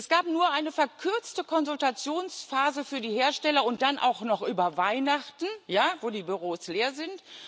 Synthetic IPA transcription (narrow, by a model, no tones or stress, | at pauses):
ʔɛsɡ̥aːpnuːɐʔaɪnəfɛɐkʰʏɐt͡stəkʰɔnzʊltat͡sjoːnsfaːzəfyːɐdiːheːɐʃtɛlɐʊnt̚d̥anʔa̰ʊxnɔχʔyːbɐvaɪnaχtn̩jaːvoːdiːbyʁoːsleːɐzɪnt